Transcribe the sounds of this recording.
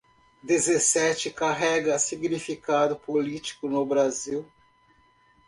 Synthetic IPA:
d̪ezesɛt͡ʃɪkaɦɛɡɐsiɡnifikad̪ʊpolit͡ʃi̥kʊnʊbɾaziw

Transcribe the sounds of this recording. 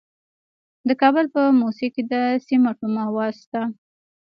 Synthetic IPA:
d̪əkɑbəlpəmusiked̪əsimaʈumawɑst̪a

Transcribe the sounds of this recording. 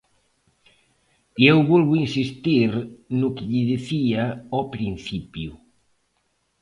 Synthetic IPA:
iewβɔlβʊinsist̪iɾnʊkɪʎiðiθiaɔpɾinθipju

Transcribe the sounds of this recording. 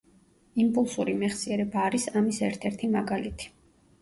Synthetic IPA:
impʼulˠsuɾimɛχsiɛɾɛbaːɾisamisɛɾt̪ʰɛɾt̪ʰimaɡalit̪ʰi̥

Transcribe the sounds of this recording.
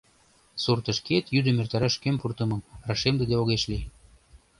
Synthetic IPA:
surt̪əʃket̪jyd̪ə̆mert̪ɑɾɑʃkempurt̪əmɤ̆mrɑʃemd̪ed̪eoɣeʃli

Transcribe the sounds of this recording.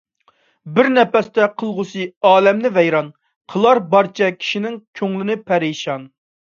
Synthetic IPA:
bɪɾnɛpɛst̪ɛqʰəlˠʁʊsɨɑːlɛmnɪvɛjɾɑn | qʰəlˠɑɾbɑɾt͡ʃʰɛkʲʰi̥ʃinɪŋkʲʰøŋlɪnɪpʰɛɾiʃɑn

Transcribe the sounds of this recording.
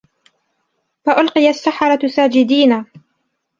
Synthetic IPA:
faʔʊlqɨjasːaħɑɾˤɑsaːd͡ʒɪd̪iːnaː

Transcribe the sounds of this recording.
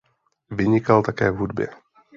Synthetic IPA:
vɪɲɪkalt̪akɛːvɦudbjɛ̰

